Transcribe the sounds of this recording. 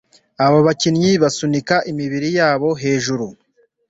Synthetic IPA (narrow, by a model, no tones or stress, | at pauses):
aβoβacinɲiβasunikaʔimiβiɾijaːβo̞ɦe̞ːʒuɾu